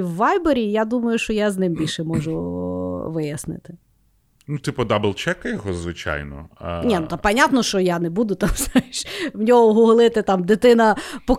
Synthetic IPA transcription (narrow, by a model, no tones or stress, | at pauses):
wːɑjbeɾʲijad̪umɐjʊʃt͡ʃɔjaznɪmbʲilʲʃɛmɔʒʊ | ʋɪjɐsnɪ̰t̪ɪ | nut̪ɪpɔd̪abɪlˠt͡ʃɛkɐjɔɦɔzʋɪt͡ʃa̰jnɔ̰nʲɛnut̪ɑpɐnʲat̪nɔʃt͡ʃɔjanɛbud̪ʊt̪ɑmsɛʃwnʲɔɦɔɦʊɦlˠɪt̪ɪt̪ɑmd̪ɪt̪ɪnɐpɔ